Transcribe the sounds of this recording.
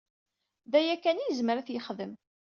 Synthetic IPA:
ðæjækːænijəzməɾæθjəχðəm

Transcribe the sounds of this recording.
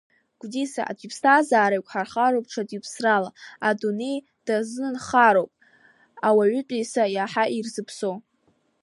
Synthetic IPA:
ɡ̥ʷdisa̰a̰tʷʼipʰstʰaːzaːɾajkʷʼħarχaɾowp̚ʼʈ͡ʂʰatʼipʰsralaadune̞j | d̥aznɨnχaɾowpʼ | awaɥʷʏtʼijsajaħaʔirzɨpʰso

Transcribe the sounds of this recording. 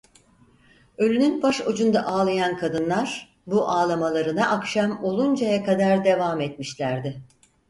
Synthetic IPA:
ø̞lʲynynbaʃod͡ʒund̪aʔaːlˠajankʰad̪ɯnlˠaɾ̥ | buʔaːlˠamalˠaɾɯnaʔakʃamo̞lˠund͡ʒajakad̪aɾd̪e̞vamɛt̪̚miʃlʲæɾd̪ɪ

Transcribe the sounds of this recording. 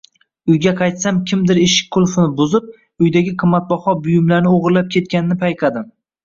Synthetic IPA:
ʊjɡʲaqʰɑjt̪samkʲʰɪmd̪ɪɾeʃɪ̥k̚ʲkʰːʊlˠfɪnɪbʊzɪp̚ | ʊjd̪aɡʲɪqʰɨmːat̪̚bɒhɒbʊjɪmlaɾnɪoʁɾlap̚kʲʰe̞t̪̚kʲanɪnɪpʰajqʰɑd̪ɪm

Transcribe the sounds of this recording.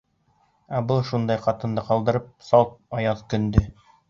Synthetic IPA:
æbɤlˠʃund̪ɑjqɑt̪ɤ̆nd̪ɤqɑlˠd̪ɤ̆ɾɤp̚sɑlˠt̪̚ɑjɑðkɵ̆nd̪ɵ

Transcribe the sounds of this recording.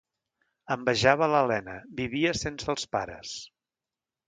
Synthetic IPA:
əmbəʒaβ̞ələlɛnəbiβiəsensəːlˠspaɾə̰s

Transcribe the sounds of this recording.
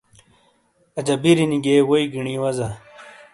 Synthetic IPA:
ɐd͡ʑɐbiɾiniɡewoiɡiɳiwɐzɐ

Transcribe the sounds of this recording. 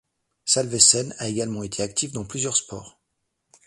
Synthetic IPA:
salvesɛnaeɡalmɑ̃et̪ʰeakt̪ʰifd̪ɑ̃plyzjœʁspɔ̰ːʁ

